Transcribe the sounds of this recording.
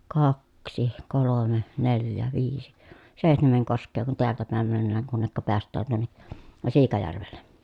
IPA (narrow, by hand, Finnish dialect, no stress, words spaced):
kɑksi kolome neljæ ʋiːsi seˑi̯htemeŋ koskˑeː kun teæltæ pæˑem mænːæːŋ kunːekːɑ peæstˑæːn tuonːe siːkɑjærʋelːe